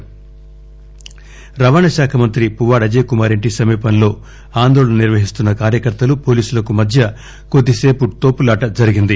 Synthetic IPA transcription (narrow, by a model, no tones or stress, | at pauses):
ɾɐʋaːɳɐʃaːkʰɐmɐnt̪ɾipuʋaːɽɐd͡ʒeːkumaːɾeɳʈisɐmiːpɐnlo̞ː | aːnd̪oːɭɐnɐniɾʋɐɦist̪unːɐkaːɾjɐkɐɾt̪ɐlupo̞ːliːsulɐkumɐd̪ʱjɐ | kod̪ːise̞ːput̪o̞ːpulaːʈɐd͡ʒɐɾiɡind̪i